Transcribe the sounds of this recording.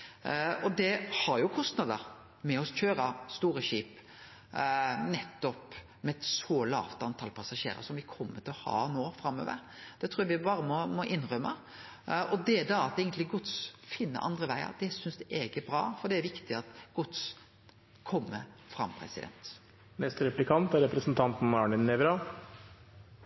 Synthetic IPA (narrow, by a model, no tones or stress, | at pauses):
ɔd̪ɛhɑɾjʊkʰɔst̪nɑd̪əɾ | mɛɔsçøːɾɑst̪uːɾəʃiːp | nɛt̪ːɔp | mɛt̪sɔlɑ̰ːʋt̪ɑnt̪ʰɑlpʰɑsɑʃḛːɾə̰sɔmʋɪkʰɔmːət̪ʰɪlɔhɑ̰ːnoːfɾɑmːø̰ːʋə̰ɾ | d̪̥ɛt̪ʰɾuːjɑʋɪbɑːɾəmɔmɔʔɪnːʁœmːɑ | ɔd̪ɛd̪ɑɑt̪eːɡənt̪lɪɡʊt̪sfɪnːə̰ʔɑ̰nd̪ʁəʋæɪə̰ɾd̪ɛsʏnsd̪ɛʔeɡəbɾɑ̰ːfɔɾd̪ɛæɾʋɪkt̪ɪɑt̪ɡ̥ʊt̪s | kʰɔmːə | fɾɑ̰mpʰɾɛ̰sɪd̪ɛ̰nt̪ | mɛst̪ɾɛplɪkʰɑnt̪æɾɛpɾəsn̩t̪ʰɑnt̪n̩ɑɳɪnːɛʋɾɑ